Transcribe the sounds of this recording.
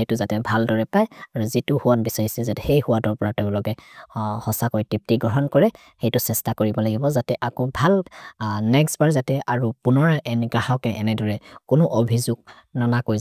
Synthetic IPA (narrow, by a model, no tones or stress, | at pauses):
ejtʊzatɛbʱaldɔɹɛpajaɹuzitʊhuwanbisaɹisɛzatɛhejhuwatɔɹpɔɹatɛ̃lɔɡɛhɔsakɔjtip̚tiɡɹɔɦɔnkɔɹɛ | xejtʊsɛstakoɹibɔlaɡibɔzatɛʔakɔbʱalnɛksbaɹzatɛʔaɹupʊnɔɹʔɛnɡɹahɔkɛʔɛnɛdɔɹɛkʊnʊʔobʱizuɡ | nanakoj